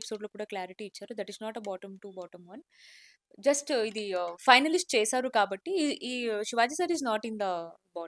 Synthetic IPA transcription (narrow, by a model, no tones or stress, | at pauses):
pi̥soːɖloːkuːɽaːklaːɾiʈiːt͡ʃːaːɾud̪ɐʈiznaːʈɐbɔːʈɐmʈubɔːʈɐ̃mʋɐn | d͡ʒɐsʈid̪ifɐjnɐlisʈ̚t͡ʃeːsaːɾukaːbɐʈːiʃiʋaːd͡ʒisaːɾiznaːʈind̪ɐbɔː